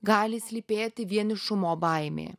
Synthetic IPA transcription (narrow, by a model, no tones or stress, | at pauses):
ɡaːlʲisʲlʲipʲeːt̪ɪʋʲiɛnʲɪʃʊmɔbajmʲḛ